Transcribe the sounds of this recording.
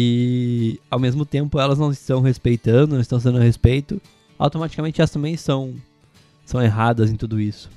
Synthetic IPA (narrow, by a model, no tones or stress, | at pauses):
ɪ | awmezmʊt̪ẽmpʊɛlɐznɐ̃w̃ɪst̪ɐ̃w̃ɦespejt̪ɐ̃nd̪ʊnɐ̃st̪ɐ̃sd̪ɐ̃nʊhespejt̪ʊ | a̰wt̪omat͡ʃi̥kamẽnt͡ʃɪɛlɐst̪ɐ̃mbẽj̃sɐ̃w̃ | sɐ̃w̃eɦad̪ɐzẽt̪ud̪ʊisʊ̥